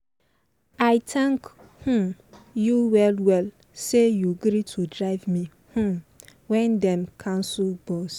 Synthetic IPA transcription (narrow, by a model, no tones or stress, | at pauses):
aɪtʰãŋk | hũjuwɛlwɛl | sejuɡɾitʰudɾaɪvmi | hũwɛ̃ndɛ̃mkʰãmsubɔs